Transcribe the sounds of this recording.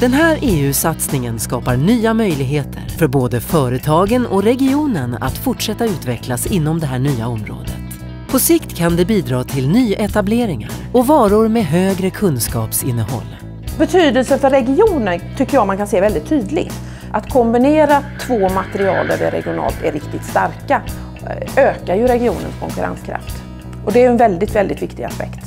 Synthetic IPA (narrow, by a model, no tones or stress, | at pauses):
d̪̥ɛnɦæːɾeːʉ̟ːsat̪snɪŋənskɑːpaɾɳyːamœjlɪɡɦeːt̪ʰə̰ɾfœɾboːd̪əfœːɾət̪ʰɑːɡənɔɾɛɡɪuːnəna̰t̪fʊʈʂɛt̪ːaʉ̟ːt̪vɛklasɪnːɔmd̪ɛɦæːɳyːaɔmɾo̰ːd̪ə̰t̪ | pʰɔsɪkt̪kʰand̪ɛbiːd̪ɾɑːt̪ʰɪlnyːʔɛt̪ableːɾɪŋaɾɔvɑːɾʊɾmeːɦøːɡɾəkʰɵnskɑːpsɪnːəhɔ̰lː | bɛt̪ʰyːd̪əlsənfœɾːɛɡɪuːnənt̪ʰʏkːəɾjɑːmankʰanseːvɛld̪ɪt̪ʰːyːd̪lɪ̰ɡ | ʔat̪kʰɔmbɪneːɾat̪ʰvoːmat̪ɛɾɪɑ̰ːld̪æ̰ɖɛɾɛ̰ɡɪʊnɑ̰ːlt̪ʰæɾɪkt̪ɪt̪st̪aɾka | øːkaɾjɵɾɛɡɪṵːnə̰nskʰɔ̰ŋkɵɾa̰nskʰɾa̰ft̪ | ʔɔd̪ɛæːjɵɛnvɛld̪ɪt̪vɛld̪ɪt̪vɪkt̪ɪɡa̰spɛ̰kt̪